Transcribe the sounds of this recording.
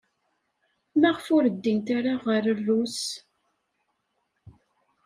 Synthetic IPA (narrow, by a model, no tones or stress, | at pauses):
mæʁəfʊɾəd̪ːint̪aɾaʁəɾərːus